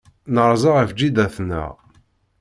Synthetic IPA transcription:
nəɾˤzɑʁəvd͡ʒːid̪æθnæ̰

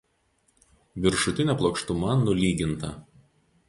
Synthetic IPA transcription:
ʋʲɪɾʃʊt̪ʲɪnʲɛplˠɔːkʃt̪ʊmɐnʊlʲiːɡʲɪnt̪ɐ

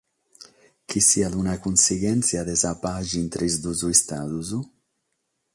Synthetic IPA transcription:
kisiad̪unakunsiɡɛnt̪sjad̪ezapaʒint̪ɾizd̪uzuist̪aðuzu

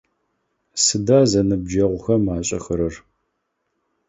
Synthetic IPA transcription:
sɨdaːzɐnɨb̚d͡ʒɐʁʷʊxɐmaːɕʼɐxɨɾɐr

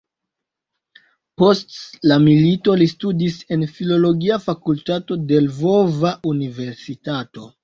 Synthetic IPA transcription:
po̞stlamilito̞listudise̞nfilo̞lo̞ɡiafakultato̞de̞lvo̞vaʔunive̞ɾsitato̞

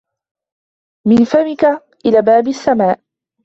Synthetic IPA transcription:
mɪnfamɪka | ʔɪlaːbaːbasːamaːʔ

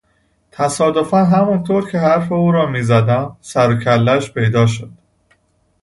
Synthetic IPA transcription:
t̪ʰæsɒːd̪o̞fænɦæmunt̪ʰoːɾcʰe̞ɦæɾfe̞uːɾɒːmiːzæd̪æmsæɾocʰælːæʃpʰe̞jd̪ɒːʃ̬od̪̥

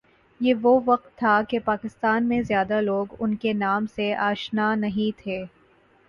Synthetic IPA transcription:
jeːʋoʋɐq̚t̪ʰːakepaːkɪst̪aːnmẽzjaːd̪aloːɡʊnkenaːmseaːʃnaːnɐɦĩt̪ʰeː

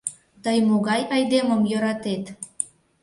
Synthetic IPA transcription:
t̪əjmoɣɑjɑjd̪eməmjøɾɑt̪et̪

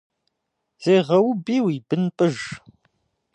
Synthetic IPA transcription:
z̥eːʁɐwʊbiːwibɨnpʼɨʒ

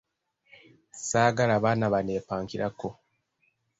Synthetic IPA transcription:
saːɡalaβaːnaβane̞ːpaːŋkiɾako

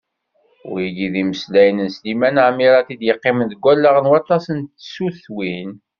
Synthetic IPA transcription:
ʊ̰ɾjəɡiðiməslæjənənslimænʕmiɾɑt̪id̪jəqːɪmənðəɡʷælːaʁnwɑt̪ˤɑsənt̪suθwin

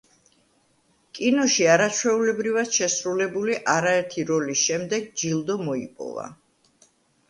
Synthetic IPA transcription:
kʼinɔʃiaɾat͡ʃʰwɛulɛbɾivad̪̥ʃɛsɾulɛbuliʔaɾaɛɾt̪ʰiɾɔlisʃɛmd̪ɛɡ̚d͡ʒilˠd̪ɔmɔḭpʼɔ̰va̰

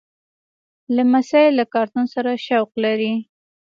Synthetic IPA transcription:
lamasɑjelːakɑɾt̪unsaɾaʃawqlaɾi

